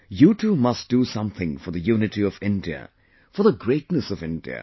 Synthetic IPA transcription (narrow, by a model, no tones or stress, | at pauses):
jutʰumʌst̚d̥usʌ̃mθɪ̃ŋfə˞ðɨjunɨtiʌvɪ̃ndiɨ̰ | fə˞ðəɡɹeɪtnəsʌvɪ̃ndḭɨ̰